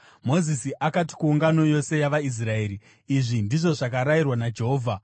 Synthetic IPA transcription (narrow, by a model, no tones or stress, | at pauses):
mo̞zisiʔakati̥kuːŋɡano̞jo̞se̞jaʋais̬rae̞ːɾi | iʐindiʐo̞ʐakaɾairwanad͡ʒe̞ɦo̞ːvʱa